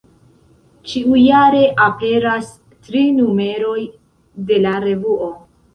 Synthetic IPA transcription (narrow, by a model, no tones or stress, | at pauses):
t͡ʃiujaɾe̞ʔape̞ɾas | tɾinume̞ɾo̞j | de̞laɾe̞vuo̞